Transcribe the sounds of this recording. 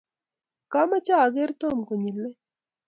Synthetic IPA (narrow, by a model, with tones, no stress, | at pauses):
ka˦ma˦t͡ʃa˦a˨ɡe˦ɾt̪o˦˨mko˨ɲi˨lːe˦